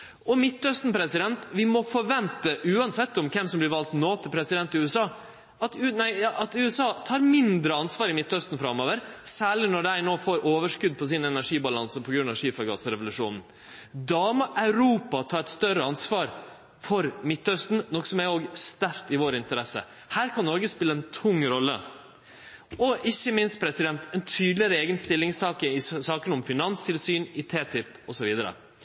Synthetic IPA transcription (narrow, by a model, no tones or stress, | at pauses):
ɔmɪt̪ːœst̪n̩pɾɛsɪd̪ɛnt̪ʋɪmɔfɔɾʋɛnt̪əʔʉːɑnsɛt̪ːɔmkʰɛmsɔmblɪɾʋɑlt̪noːt̪ʰɪlpʰɾɛsɪd̪ɛnt̪ɪʉːɛsɑː | ɑt̪ːnæɪjɑːʔɑt̪ʉːɛsɑːt̪ʰɑːɾmɪnd̪ɾəɑnsʋɑːɾɪmɪt̪ːœst̪n̩fɾɑmːøːʋəɾsæːɭɪnɔɖæɪnoːfoːɾʔoːʋəʂkʉd̪̚pʰɔsɪnɛnæʂiːbɑlɑnsəpʰɔɡɾʉnɑʋʂiːfɑɡɑ̰sɾɛʋʊlʉʂṵːnn̩ | d̪ɑːməʔɑʉɾuːpɑt̪ʰɑːɾɛt̪st̪œɾəɑnsʋɑːɾ | fɔɾmɪt̪ːœst̪n̩nɔksɔmæoːɡst̪æɾt̪ɪʋoːɾɪnt̪əɾɛsə̰ | hæːɾkʰɑnːɔɾɡəspɪlːəɛnt̪ʰʊŋːɾɔlːə̰ | ɔʔɪçːəmɪnst̪pʰɾɛsɪd̪ɛnt̪ʰɛnt̪ʰyːd̪lɪəɾəeːɡənst̪ɪlːɪŋsɑːkəɪsɑːkənɔmfɪnɑnst̪ʰɪlsyːnɪt̪ʰeːt̪ʰɪp | ɔsɔʋiːd̪əɾə̰